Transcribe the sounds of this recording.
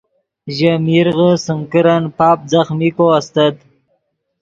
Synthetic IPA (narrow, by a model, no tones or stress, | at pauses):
ʒamiɾɣəsəŋkəɾanpɑːp̚zaxmikoast̪ad̪